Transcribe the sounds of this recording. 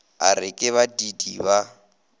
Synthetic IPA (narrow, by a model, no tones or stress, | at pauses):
arɪkʼɪβadidiβa